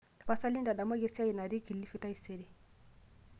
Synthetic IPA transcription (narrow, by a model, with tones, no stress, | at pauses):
ta˨pa˦sa˦li˦nda˨ɗa˨mɔ˦ɡe˦si˦a˦ji˨na˨ɾi˦ki˨lːi˦fi˦ta˦i˨se˦ɾi˨